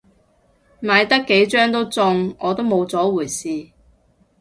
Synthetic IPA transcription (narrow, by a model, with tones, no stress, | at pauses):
maː˨˧jt̪ɐ˥kːe˨˥jt͡ʃœː˥ŋt̪̬o˥wt͡sʊ˧ŋɔː˨˧t̪o˥wmo˨˧wt͡sɔː˨˥wuː˨˩jsiː˨˧